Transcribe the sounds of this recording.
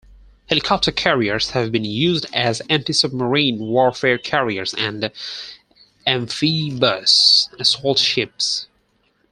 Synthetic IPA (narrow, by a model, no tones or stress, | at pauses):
hɛlˠɨkʰɑp̚tʰə˞kʰɛɹiə˞z̥hɨvbɨ̃njʉzdɨzæ̃ntisʌb̚məɹĩnwɔɹfɛɹkʰɛɹiə˞zɨ̃n | ɛ̃ɱfibʌsɨsɔlˠtʃɪps